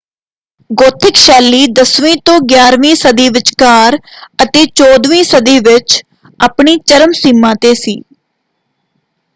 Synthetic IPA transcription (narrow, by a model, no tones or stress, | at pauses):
ɡoːt̪ʰɪkʃɛːlːiːd̪əsʋĩːt̪õːɡjaːɾʋĩːsəd̪iːʋɪt͡ʃkaːɾət̪eːt͡ʃoːd̪ʋĩːsəd̪iːʋɪt͡ʃ | aːpɳiːt͡ʃəɾəmsiːmːãːt̪eːsḭː